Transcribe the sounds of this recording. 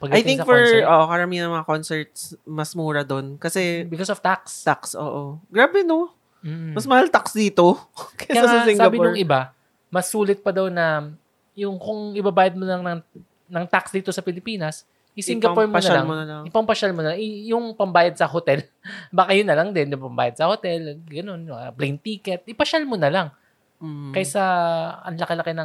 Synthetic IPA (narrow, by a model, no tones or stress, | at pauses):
pɐɡlajt̪ɪɪŋsɐfɔɹɛʔoːʔokɐɾɐminɐŋmɐŋakonsɛɹt̪smɐsmuːɾɐd̪onkɐsɛbɪkosoft̪akst̪aksʔoːʔoɡɾaːbɛno | m̩mɐsmɐhalt̪aksd̪iːt̪okɐaɐsɪŋɡaɡɐbɪʊɹʔɪba | mɐsuːlɪt̪̚pɐd̪awnɐ | jʊŋkʊŋʔɪbabaːjɐd̪̚monlɐŋnɐŋ | nɐŋt̪aksd̪iːt̪o̞sɐpɪlɪpiːnɐs | ʔɪsɪŋɡɐppoɹmonɐlaŋɪpɐmpɐʃalmonɐlaŋʔɪjʊŋpɐmbaːjɐd̪̚sɐhot̪ɛl | baːkajʊnːɐlɐŋd̪ɛnjʊŋpɐmba̰ːjɐd̪̚sɐho̞t̪ɛlɡɐno̞nplɛjnt̪iːkɛt̪̚ʔɪpɐʃalmonɐlaŋː | kɐjsɐɐ̰nlɐkɐlɐkɐjnɐ